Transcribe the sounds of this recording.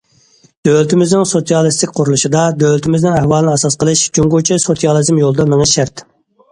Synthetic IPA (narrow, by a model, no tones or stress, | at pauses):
d̪̥ølt̪ʰɪmɪznɪŋsot̪ijɑlˠɨst̪ɪkʲqʰʊɾulˠuʃid̪ɑd̪ølɪt̪ʰɪmɪznɪnæhwɑːlˠɨnɨɑsɑsqəlˠɨʃd͡ʒuŋɡot͡ʃʰisot̪ijɑlˠɨzmjolˠd̪ɑmɪŋɪʃæɾt̪